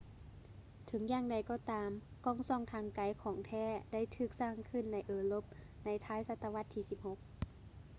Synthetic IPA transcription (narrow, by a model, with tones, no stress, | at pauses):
t̪ʰɤ˨˩˦ŋjaː˧ŋda˧˩jkɔː˧˩t̪aː˨˧˦mkɔː˧˩ŋsɔː˧˩˨ŋt̪ʰaː˧˥ŋka˨˦jkʰɔː˨˩˦ŋt̪ʰɛː˧˩da˥˨jt̪ʰɯː˧˩k̚saː˧˥˩ŋkʰɯ˧˥˨nːa˧˥jʔɤː˧˩lo˧˥p̚ | na˧˥jt̪ʰaː˧˥˨jsa˧t̪ːa˧wa˧˥t̪ʰːiː˧˩si˧˦p̚ho˧˦k̚